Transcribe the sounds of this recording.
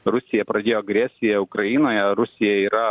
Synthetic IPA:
ɾʊsʲɪjɛpɾɐd̪ʲeːjoːɐɡɾʲɛsʲɪjɛʊkɾɐinoːjɛɾʊsʲɪjɛiːɾɐ

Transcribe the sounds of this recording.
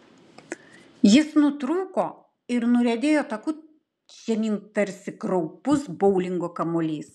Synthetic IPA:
jɪsnʊt̪ɾuːkoː | ɪɾnʊɾʲɛd̪ʲeːjoːt̪ɐkʊ | t͡ʃʲɛnʲiŋt̪ɐɾʲsʲɪkɾɔʊpʊsbɔʊlʲɪŋɡokɐmoːlʲiːs

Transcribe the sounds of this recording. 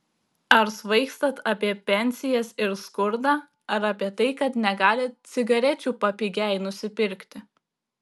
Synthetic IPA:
ɐɾsʋɐɪkst̪ɐt̪ɑpʲiɛpʲɛnʲsʲɪjɛsɪɾskʊɾd̪ɑː | ɐɾɐpʲiɛt̪ɐɪkɐt̪nʲɛɡɑːlʲɪt̪sʲɪɡɐɾʲɛt͡ʃʲuːpɐpʲiɡʲæˑɪnʊsʲɪpʲɪɾʲkʲt̪ʲɪ

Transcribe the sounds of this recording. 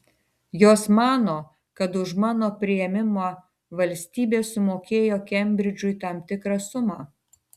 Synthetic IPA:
joːsmɑːnoː | kɐt̪ʊʃmɑːnoːpʲɾʲɪjɛmʲɪmo | ʋɐlʲsʲt̪ʲiːbʲeːsʊmoːkʲeːjoːkʲɛmʲbʲɾʲɪd͡ʒʲʊit̪ɐmʲt̪ʲɪkɾɑsʊmɑː

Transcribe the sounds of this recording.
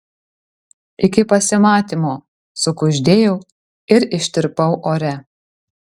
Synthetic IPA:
ʔɪkʲɪpɐsʲɪmɑːt̪ʲiːmoː | sʊkʊʒʲd̪ʲeːjɛʊ | ɪɾɪʃʲt̪ʲɪɾpɐʊʔoːɾʲɛ

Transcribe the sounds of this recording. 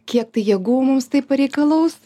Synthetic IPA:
kʲiɛkt̪ɐɪjɛbuʋoːmʊmst̪ɐɪppɐɾʲɛɪkɐlˠɐʊs

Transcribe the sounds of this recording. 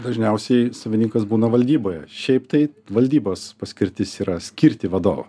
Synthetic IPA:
d̪ɐʒʲnʲɛʊsʲɛɪsɐʋʲɪnʲiŋkɐsbuːnɐʋɐlʲd̪ʲiːboːjɛʃʲɛɪpt̪ɐɪʋɐlʲd̪ʲiːboːspɐsʲkʲɪɾʲt̪ʲɪsiːɾɐsʲkʲɪɾʲt̪ʲɪʋɐd̪o̰ːʋɐ̰

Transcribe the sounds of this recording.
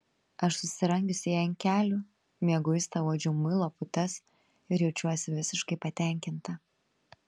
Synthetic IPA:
ɐʃsʊsʲɪɾɐŋʲɡʲʊsʲɪjɛɪnʲkʲæːlʲʊ | mʲiɛɡʊɪst̪ɐuɔd͡ʒʲɛʊmɨlˠoːpʊt̪ɐs | ɪɾjɛʊt͡ʃʲuɔsʲɪʋʲɪsʲɪʃkɐɪpɐt̪ʲæˑŋʲkʲɪnt̪ɐ

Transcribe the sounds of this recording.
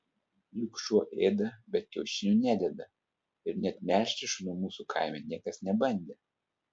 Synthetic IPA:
lʲʊkʃuɔʔeːd̪ɐbʲɛt̪̚kʲɛʊʃʲɪnʲuːˑnʲæːd̪ʲɛd̪ɐ | ɪɾnʲɛt̪ʲmʲæːˑʃʲt̪ʲɪʃnuɔmuːsukʰɑ̰ˑɪmʲɛnʲiɛkɐsnʲɛbɐnʲd̪ʲe

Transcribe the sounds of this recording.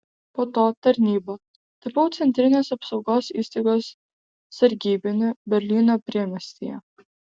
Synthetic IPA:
poːt̪oːt̪ɐɾʲnʲiːbɐ | t̪ɐpɐʊt̪sʲɛnʲt̪ʲɾʲɪnʲeːsɐpsɒʊɡoːsḭːst̪ɐɪɡoːsː | ɐɾʲɡʲiːbʲɪnʲʊbʲɛɾʲlʲiːnoːpʲɾʲiɛmʲɛsʲt̪ʲḭjɛ̰

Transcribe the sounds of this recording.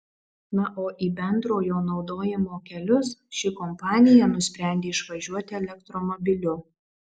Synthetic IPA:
nɐʔoːʔiːbʲɛnd̪ɾoːjoːnɒʊd̪oːjɪmoːkʲɛlʲʊsʃʲɪkɔmpɑːnʲɪjɛnʊsʲpʲɾʲæˑnʲd̪ʲeːɪʃʋɐʒʲuɔt̪ʲɪɛlʲɛkt̪ɾɔmɔbʲɪlʲʊ

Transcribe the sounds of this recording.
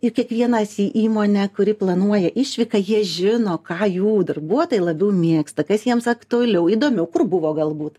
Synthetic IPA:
ɪkʲiɛkʋʲiɛnɐsiːʔiːmoːnʲɛkʊɾʲɪplˠɐnuɔjɛʔɪʃʲʋʲɪkɐjiɛʒʲɪnoːkɑːjuːd̪ɐrbuɔoːt̪oːjlˠɐbʲɛʊmʲiɛkst̪ɐkɐsjiɛmsɐkt̪ʊɐlʲɛʊiːd̪oːmʲɛʊkʊrbʊʋoːɡɐlˠbuːt̪

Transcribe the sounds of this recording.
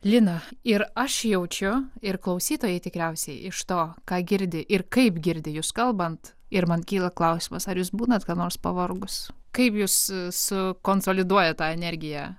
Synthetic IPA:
lʲɪnɐɪɾɐʃjɛʊt͡ʃʲʊɪrklˠɐʊsʲiːt̪oːjɛɪt̪ʲɪkɾʲɛʊsʲɛɪʔɪʃt̪oːkɑːɡʲɪɾʲd̪ʲɪʔɪɾkɐɪpɡʲɪɾʲd̪ʲɪjuːskɐlˠbɐnt̪ | ɪɾmɐnkʲiːlˠɐklˠɐʊsʲɪːmɐsɐɾjuːsbuːnɐt̪kɑːnoːɾspɐʋorɡʊskɐɪpjuːssʊkoːnsoːlʲɪd̪uɔjɛt̪ɑːɛnʲɛɾʲɡʲɪjæ

